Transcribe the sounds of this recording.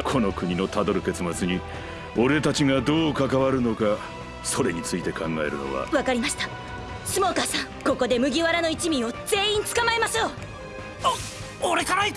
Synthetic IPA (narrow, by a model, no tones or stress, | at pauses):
kʰo̞no̞kɯ̟ɲ̟ino̞t̪ad̪o̞ɾɯ̟ke̞t͡sɨmat͡sɨɲ̟i | o̞ɾe̞t̪at͡ɕiɡad̪o̞ːkakaβaɾɯ̟no̞ka | so̞ɾe̞ɲ̟it͡sɨit̪e̞kʰãŋɡae̞̰ɾɯ̟̰no̞̰βa̰βakaɾʲimaɕi̥t̪ḁ | sɨmo̞ːkasãŋko̞ko̞d̪e̞mɯ̟ɡʲiβaɾano̞it͡ɕimʲĩo̞z̥e̞ːĩnt͡sɨ̥kamaemasɨjo | oɾe̞kaɾai